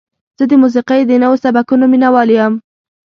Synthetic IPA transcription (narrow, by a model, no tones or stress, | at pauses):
z̥əd̪əmus̬iqajd̪ənawosabakunominawɑlijam